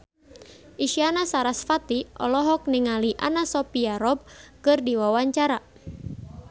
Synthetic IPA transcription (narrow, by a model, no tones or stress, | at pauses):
ʔiʃianasaɾasfat̪iʔɔ̰lɔɦɔk̚niŋaliʔa̰nasɔpiaɾɔb̚kɨrdiwawaɲt͡ʃaɾa